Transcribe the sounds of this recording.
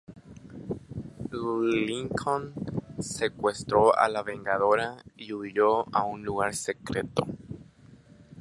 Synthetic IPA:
liŋkʰonsekwest̪ɾoa̰laβẽ̞ŋɡaðoɾaiuðjoaũnluɣaɾsekɾe̞t̪o̰

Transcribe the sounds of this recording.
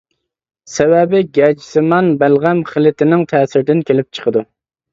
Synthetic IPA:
sɛwɛbɪɡʲɛd͡ʒi̥sɪmɑnbælʁæmχɪlɪt̪ʰɪnɪŋt̪ʰɛːsɪɾd̪ɪnkʲʰelɪp̚t͡ʃʰə̥qʰəd̪u

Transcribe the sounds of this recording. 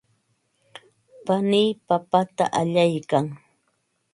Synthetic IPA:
panɪjpapat̪a̰ʔaʎajkaŋ

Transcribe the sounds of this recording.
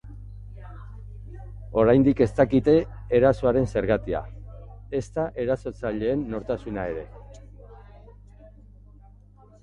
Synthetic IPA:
o̞ɾajnd̪ike̞st̪akit̪e̞ː | ɾasoaɾe̞nse̞ɾɣat̪ia̰e̞st̪aʔe̞ɾaso̞t͡saʎe̞ːnːo̞ɾt̪asunaeɾe̞

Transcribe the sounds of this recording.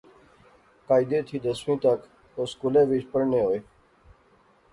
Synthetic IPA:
kaːid̪eːt̪ʰiːd̪əsmĩːt̪ək | oːskuːlẽːʋit͡ʃpəɾnẽːɦoːjː

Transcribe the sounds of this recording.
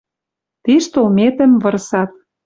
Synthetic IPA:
t̪iʃt̪olmet̪ə̆mvɤ̆ɾsɑt̪̚

